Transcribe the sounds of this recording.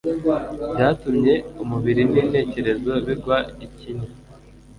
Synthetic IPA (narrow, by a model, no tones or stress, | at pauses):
bɟaːtumɲe̞umuβiɾinine̞ːce̞ɾe̞zo̞βiɾɡwaiciɲa